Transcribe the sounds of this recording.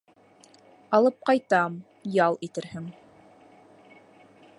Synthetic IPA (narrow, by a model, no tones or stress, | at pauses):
ɑlˠɤp̚qɑjt̪ɑm | jɑlˠit̪ɘ̆ɾhɘŋ